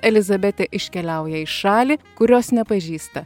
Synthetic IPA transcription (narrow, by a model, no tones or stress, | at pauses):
ɛlʲɪzɐbʲɛt̪ʲeʔɪʃʲkʲɛlʲɛˑʊjɛɪʃʃɑːlʲiːkʊɾʲoːsnʲɛpɐʒʲiːst̪ɐ